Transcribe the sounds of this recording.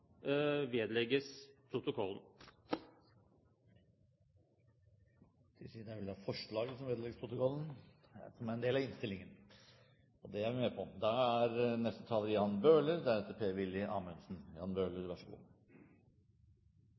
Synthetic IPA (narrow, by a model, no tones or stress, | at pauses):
ʋeːd̪lɛɡəspʰɾʊt̪ʊkʰɔlːn | d̪̥ɪsid̪æɾʋɪld̪ɛhɑːfɔʂɭɑːɡəsɔmʋeːd̪lɛɡəspʰɾʊt̪ʊkʰɔlːən̩ | sɔmæɾɛnd̪eːlɑʋɪnst̪ɪlːɪŋən | ɔd̪ɛjæɾʋɪmɛːpʰɔd̪ɑæɾnɛst̪ət̪ʰɑːləɾjɑːnbøːləɾd̪æɾɛt̪ːəɾpʰeːʋɪljəʔɑ̰ːmœnsn̩jɑ̰ːnbøːləɾʋæʂəɡṵːl